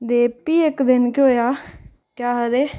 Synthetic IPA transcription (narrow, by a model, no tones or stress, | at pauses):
d̪eːpiːɪkd̪ɪnkoːjaː | kjaːɦəɾeː